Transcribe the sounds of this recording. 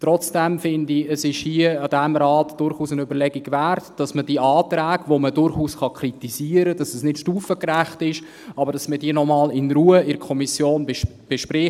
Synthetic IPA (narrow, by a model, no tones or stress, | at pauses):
trɔt͡sd̥ɛmfɪndiəsɪʃhiːəɑd̥æmɾɑːtd̥ʊɾχuːsənybəɾlɛɡiɡʋærtd̥ɑsməd̥iːʔɑːtɾæːɡʋomədʊɾχuːsχɑkʰritisiːəɾəd̥ɑsəsnɪtʃtuːfəkræχtɪʃ | ɑbəɾd̥ɑsməd̥iːənɔmɑːlɪnruːəɪɾkʰɔmisjoːnb | b̥eʃpɾɪ